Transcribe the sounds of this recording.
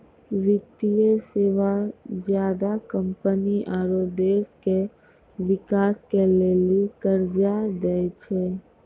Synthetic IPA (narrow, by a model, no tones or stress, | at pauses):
ʋjək̚t̪ijeseːʋad͡ʒjaːd̪akəmpəniʔaːɾod̪eːske | wɪkaːskeleːlikəɾd͡ʒad̪ɛt͡ʃʰɛ